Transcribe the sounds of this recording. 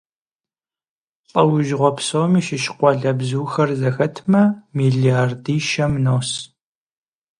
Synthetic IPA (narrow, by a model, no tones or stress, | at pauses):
pʼɐwʊʒʁʷɔpʰsoːmiːʃɪʃɪ̥qʷɔɮɐbzuːxɐrzɐxɐtʰmɐmiːɮijardiːʃɐmnos